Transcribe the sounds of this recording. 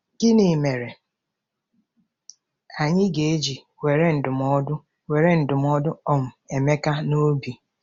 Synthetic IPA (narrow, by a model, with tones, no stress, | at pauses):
ɡ̥ɪ˦ni˨me˨ɾe˨ | a˨ɲɪ˦ɡe˨e˦d͡ʒi˨ | we˨ɾe˦n̩˨dʊ˨mɔ˦dʊ˦ | we˨ɾe˦n̩˨dʊ˨m˦ɔ˦dʊ˦ɔ˦m̩˨e˨me˦ka˦no˦bi˨